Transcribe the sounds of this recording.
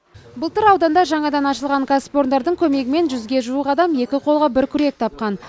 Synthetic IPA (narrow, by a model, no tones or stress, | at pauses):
bʊlˠt̪əɾɑwd̪ɑnd̪ɑʒɑɴɑd̪ɑnɑʃəlˠʁɑŋkʰaspo̞ɾnd̪ɑɾd̪əɴkʲʰɵme̞ɡʲɪme̞nʒʏzɡʲe̞ʒuəqɑd̪ɑmje̞kʲɪqʰo̞lˠʁɑbɪɾkʲʰʏɾe̞k̚t̪ʰɑp̚qɑn